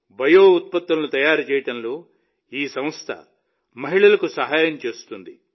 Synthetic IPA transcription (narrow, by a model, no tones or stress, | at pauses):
bʱɐjoːut̪̚pɐt̪ːɐnlut̪ɐjaːɾut͡ʃɛːjɐʈɐnlo̞ː | iːsɐ̃mɐst̪ʰɐ̰ | mɐɦiɭɐlɐkusɐɦaːjɐmt͡ʃe̞ːsu̥t̪und̪i